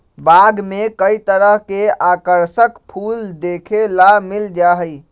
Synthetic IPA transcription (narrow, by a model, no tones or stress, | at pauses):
baɡmekəit̪əɾəɦkeakəɾsəkpʰuld̪ekʰelamild͡ʒaɦəj